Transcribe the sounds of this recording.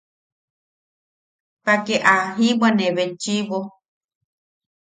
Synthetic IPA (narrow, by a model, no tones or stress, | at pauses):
pakeʔaɦimaneβent͡ʃiβo